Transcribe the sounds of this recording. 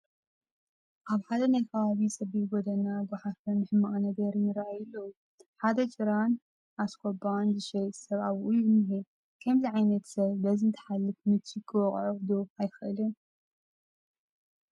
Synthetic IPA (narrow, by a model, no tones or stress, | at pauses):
ʔaβħad̪ɐnajkʰɐβaβisʼɐβiɡɔd̪ɐnaɡɨħafɐnɨħɨmːaʔanɐɡɐɾinɨɾaʕajɨlːɐwu | ħad̪ɐt͡ʃʼɨɾan | ʔaskʰobanzɨʃɐjt̪ʼsɐβaβʔujuɨnɨɦe | kʰɐmziʕajnɐt̪sɐβbɐzɨnt̪ʰɨ̥ħalːɨfmɨt͡ʃ̪ʰːikʰɨwɔχʼʕud̪ofajxɨʔɨli